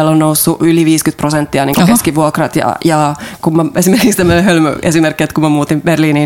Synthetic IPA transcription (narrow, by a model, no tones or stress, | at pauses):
elːonnousːuʔyliʋiːskyt̪̚prosent̪ːiɑniːŋkokoskiʋuokrɑt̪jɑ̰jɑkummɑesimerkikst̪æmːøneɦølmø̰esimerkːiet̪kumɑmuːt̪imberliːniː